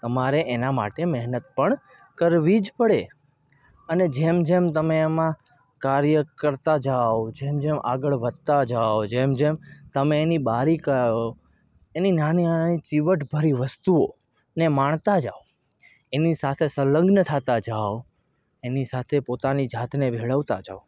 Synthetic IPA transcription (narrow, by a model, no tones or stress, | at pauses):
t̪əmaɾeʔenama̰ʈemɛɦnət̪pəɳ | kəɾʋid͡ʒpəɽe | əned͡ʒemd͡ʒemt̪əmeːmã | kaɾjəkəɾt̪ad͡ʒaʋod͡ʒemd͡ʒemʔa̰ɡəɭʋəd̪̚t̪ad͡ʒaʋod͡ʒemd͡ʒemt̪əmeːnibaɾikəo | eninanianit͡ʃiʋəʈbʱəɾiʋəst̪uo | nemaɳ̃t̪ad͡ʒaʋo | enisat̪ʰesələ̃ŋɡnət̪ʰat̪ad͡ʒaʋ | enisat̪ʰepot̪anid͡ʒʱat̪ʰnebʱeɭəʋt̪ad͡ʒa̰ʋ